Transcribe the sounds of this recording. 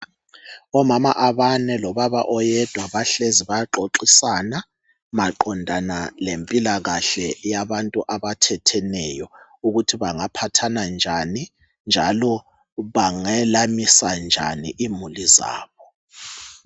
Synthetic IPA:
ɔmamaʔaβanɛlɔβaβa̰ʔɔjɛd̥ʱwaβaɬeziβaǁoǃisana | maǃɔndʱanalempʼilaɣaɬɛjaβantʼuʔaβatʰɛtʰɛnɛjɔ | uɣutʰiβaŋapʰatʰanand͡ʒʱani | nd͡ʒʱalɔ | βaŋɛlamisand͡ʒʱa̰nḭʔimuliza̰ːβɔ

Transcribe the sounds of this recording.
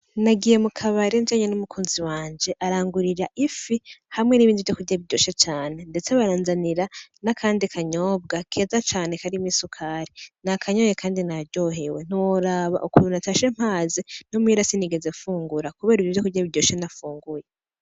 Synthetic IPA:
naɡije̞mukʰaβaɾend͡ʒaɲenumukʰuːnziwaːnd͡ʒe̞ʔaɾaːŋɡuɾiɾaʔifihamŋe̞niβiːndivjo̞kuɾɟaβiɟoːʃat͡ʃaːne̞nde̞t͡seβaɾaːnzaniɾanakʰaːndikʰaɲo̞ːb̚ɡakʰe̞ːzat͡ʃaːne̞kaɾimiːsukʰaɾinakʰaɲo̞je̞kʰaːndinaɾɟo̞ɦewen̥uwoɾaβa̰ʔukuɾunataʃiɾem̥haːzin̥omwiɾasiniɡe̞zefuːŋɡuɾakuβe̞ːɾivjovjokuɟaβiɾɟo̞ːʃenafuːŋɡuje̞

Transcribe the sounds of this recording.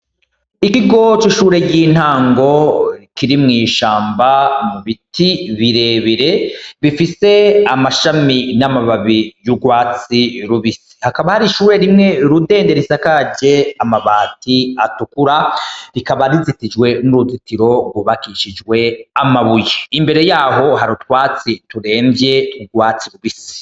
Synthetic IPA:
ikiɡo̞t͡ʃiʃuːɾe̞jiːn̥haːŋɡo̞kiɾimŋiːʃaːmbamuβitiβiɾe̞ːβiɾe̞βifise̞amaʃaminamaβaβijuɡwaːt͡siɾuβisi̥hakaβahaɾiʃuːɾe̞ɾimŋe̞ɾude̞ːnde̞ɾisakaɟe̞amaβaːtiatukuɾaɾikaβaɾizitid͡ʒwe̞nuɾuzitiɾo̞ɡwuβakiʃid͡ʒwe̞amaβujeimbe̞ɾe̞jaːɦo̞ɦaɾutwaːt͡situɾe̞ːmbje̞tkuɡwaːt͡siɾuβisi̥

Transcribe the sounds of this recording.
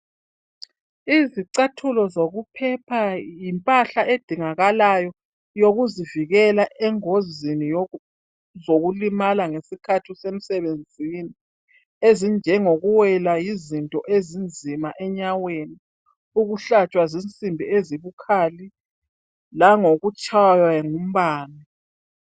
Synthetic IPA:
iziǀatʰulɔzoɣupʰɛpʰajimpʼaɬaed̥ʱiŋaɣalajɔ | joɣuziviɣɛlaʔɛŋozini | zoɣulimalaŋesikʰatʰisem̩sɛβend͡zʱini | ezind͡ʒʱɛŋoɣuwɛlajizintʼɔʔezind͡zʱimaʔɛɲaweni | uɣuɬat͡ʃʼwazint͡sʼimbʱieziβukʰaːli | laŋoɣut͡ʃʼajaŋum̩βaːni

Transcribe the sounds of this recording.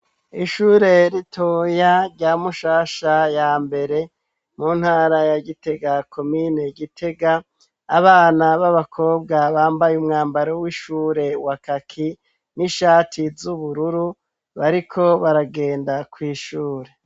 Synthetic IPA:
iʃuːɾe̞ɾitʰojaɾɟaːmuʃaːʃajaːmbe̞ɾe̞ | muːn̥haːɾajaɡite̞ɡakʰo̞mine̞ɡitʰe̞ɡaː | βaːnaβaβakʰo̞ːb̚ɡaβaːmbajumŋaːmbaɾowiʃuːɾe̞wakakʰi | niʃaːtʰizuβuɾuɾu | βaɾikʰo̞βaɾaɡe̞ːndakwiːʃuːɾe̞

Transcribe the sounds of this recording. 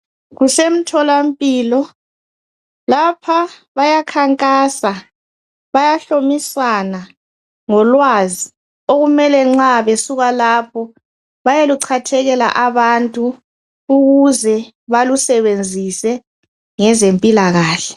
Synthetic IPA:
ɣusem̩tʰɔlam̩pʼiːlɔ | lapʰaβajakʰaŋkʼaːsa | βajaɬomisana | ŋɔlwazi | oɣumɛlɛŋ͡ǁaβesuɣalaːpʰɔ | βajeluǀʰatʰɛɣɛla̰ʔaβantʼu | uɣuzɛ | βalusɛβend͡zʱisɛ | ŋɛzempʼilaɣaːɬɛ

